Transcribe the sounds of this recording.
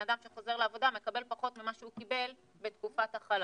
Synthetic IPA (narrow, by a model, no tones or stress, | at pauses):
adamʃeχo̞ze̞ʁleavo̞dame̞kabe̞lpaχo̞tmimaʃeukibe̞l | bet̪kufataχal